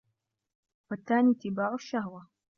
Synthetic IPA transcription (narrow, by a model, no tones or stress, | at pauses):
wat̪ːaːnit̪ɪbaːʕʊʃːahwa